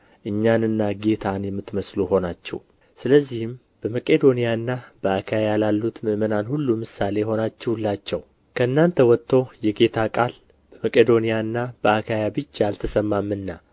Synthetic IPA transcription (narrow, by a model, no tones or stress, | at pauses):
ʔɨɲːanɨnːaɡe̞t̪ʰanjɛmːɨt̪ːməsluho̞nat͡ʃːɛ̰w | sɨləzːihɪm | b̥əməkʼe̞d̪o̞nijaɨnːab̥əakʰajjalalːut̪mɨʔmənanhulːumɨsale̞ho̞nat͡ʃːɛwlːat͡ʃːɛw | kʰəɨnːant̪ʰəwɔt̪ʰːo̞jɛɡe̞t̪ʰakʼal | b̥əməkʼed̪o̞nijaɨnːab̥əakʰajabɨd͡ʒːaalt̪ʰəsəmːamːɨnːa